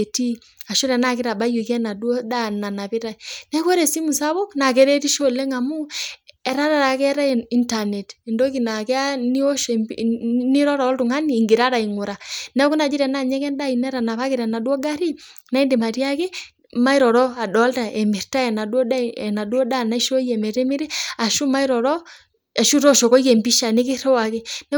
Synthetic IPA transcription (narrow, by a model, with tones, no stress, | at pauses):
e˨ti˦ | a˨ʃo˦ɾɛ˨na˦kɪ˦ɾa˨ba˦ju˨kɛ˦na˨dwɔ˦da˦na˨na˨pi˦ɾa˨inɛ˦ko˦ɾe˨si˦mu˨sa˦βo˦kna˨kɛ˦ɾe˦ti˦ʃo˦le˦ŋa˨mu˦ɛ˨ɾa˦ɾa˨ɾa˨kɛ˦ɾa˦˨i˨nta˨ne˨ti˨ndo˦ki˨na˨kɛ˦a˦ni˦o˦ʃni˦ɾɔ˦ɾa˨ɔ˦ltu˨ŋa˦niː˨ŋɡi˨ɾa˦ɾa˨i˨ŋʊ˨ɾa˨nɛ˦ku˦na˨d͡ʒi˦ɾɛ˨na˦˨ɲɛ˦kɛ˦nda˦i˨nɛ˦ɾa˨na˨pa˦kɪ˨ɾa˨na˨du˦ɔ˦ɡa˦ɾi˦ | na˦i˦nde˨ma˨ti˦a˦ke˦ | ma˦i˦ɾɔ˨ɾɔ˦a˨dɔ˨˦lta˨ɛ˨mi˨ɾta˦ɛ˨na˨dɔ˦da˦ɛ˨na˨du˦ɔ˦da˦˨na˦i˦ʃo˦jɛ˨mɛ˨ɾɛ˦mi˦ɾi˦a˨ʃu˦ma˦i˦ɾɔ˨ɾɔ˦ | a˨ʃu˦ɾɔ˦˨ʃɔ˨kɔ˦jɛ˨mbi˦ʃa˨ni˦ki˦ɾe˦wa˨ke˦nɛ˦